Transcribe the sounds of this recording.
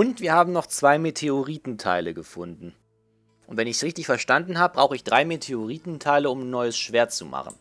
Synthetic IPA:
ʔʊntv̥iːɐhaːbm̩nɔχt͡sv̥aɪmetʰeoʁiːtn̩tʰa̰ɪləɡəfʊndn̩ | ʔʊntv̥ɛnɪçsʁɪçtɪçfɛɐʃtandn̩ɦaːbəbʁaʊxəɪçd̥ʁaɪmetʰeoʁiːtn̩tʰaɪləʊmnːɔʏəsʃv̥eːɐt̚t͡suma̰χn̩

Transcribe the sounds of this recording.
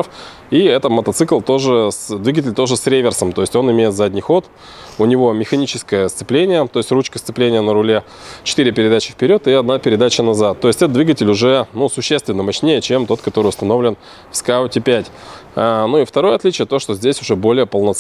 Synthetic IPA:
f | iɛt̪əmət̪ɐt̪sɨklˠt̪o̞ʐɨsd̪vʲiɡət̬ʲɪlʲt̪o̞ʐɨsɾʲevʲɪrsəmt̪o̞jɪsʲtʲo̞nɪmʲejɪt̪zadʲnʲɪjxo̞t̪ | ʊnʲɪvo̞mʲɪxɐnʲit͡ɕɪ̥skəjəst̪sɨplʲenʲɪjət̪o̞ɪsʲtʲrut͡ɕkəst̪sɨplʲenʲɪjənəɾʊlʲe̞ | t͡ɕɪ̥t̪ɨɾʲɪpʲɪɾʲɪd̪at͡ɕɪfpʲɪɾʲo̞t̪ɨɐd̪napʲɪɾʲɪd̪at͡ɕənɐzat̪ːo̞jɪsʲtʲɛt̪əd̪vʲiɡətʲɪlʲʊʐɛnusʊɕːest̪vʲɪnːəmɐɕnʲejət͡ɕe̞mt̪o̞t̪kɐt̪o̞ɾɨʊst̪ɐno̞vlʲɪn | fskaʊtʲɪpʲætʲanuift̪ɐɾo̞jəɐt̪lʲit͡ɕɪjət̪o̞ʂt̪ozʲdʲesʲʊʐɛbo̞lʲɪjəpəlˠnɐt̪

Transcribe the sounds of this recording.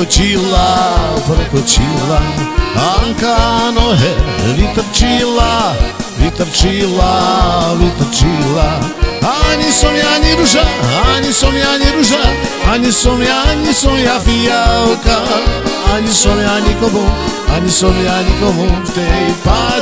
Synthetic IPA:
ot͡ʃilapɾkot͡ʃilaaŋkanoɦɛvit̪əɾt͡ʃilavit̪əɾt͡ʃilavit̪əɾt͡ʃilaaɲisomiaɲiɾuʒaaɲisomiaɲiɾuʒaaɲisomiaɲisomiafijawkaaɲisomiaɲikomũaɲisomiaɲikomut̪epa

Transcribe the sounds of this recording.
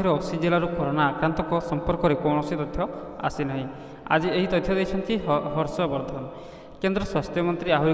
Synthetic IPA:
iɾɔːsid͡ʒelaɾukɔɾɔnaːkɾant̪ɔkɔsɔmpɔɾkɔɾekɔnɔsit̪ɔt̪ʰjɔ | a̰sinɔɦĩ | a̰d͡ʒieɦit̪ɔt̪ʰːjɔd̪ejt͡ʃʰɔnt̪ʰiɦɔɾsɔbɔɾd̪ʱanɔ | kend̪ɾɔswast̪ʰjɔmɔnt̪ɾiaɦuɾ

